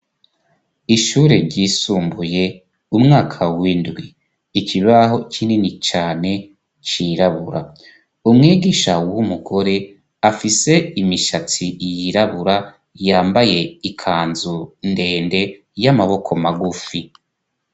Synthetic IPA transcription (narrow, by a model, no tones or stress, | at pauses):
iʃuːɾe̞ɾɟiːsuːmbuje̞ | umŋaːkʰawindɡwiː | cʰiβaɦo̞cʰininit͡ʃaːne̞ | t͡ʃiɾaβuɾa̰ | umŋiːɡiʃawumuɡo̞ɾe̞ | afise̞imiʃat͡sijiɾaβuɾa | jaːmbaje̞ikʰaːnzunde̞ːnde̞ | jamaβo̞kʰo̞maɡufi